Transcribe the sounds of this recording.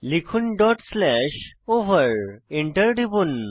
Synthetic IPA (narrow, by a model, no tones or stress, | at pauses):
likʰunɖɔʈslɛɕoʋəɾiɳʈəɾɖʱibun